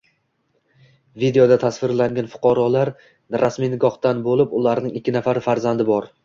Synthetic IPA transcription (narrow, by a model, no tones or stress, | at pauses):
vid̪e̞jo̞d̪at̪ʰasvɪɾlaŋɡʲanfʊ̥qʰɒɾɒlaɾ | ɾasmijnɪɡɒχt̪anbolɪpʊlaɾnɪŋɪkʲʰːɪnafaɾɪfaɾzand̪ɪbɒɾ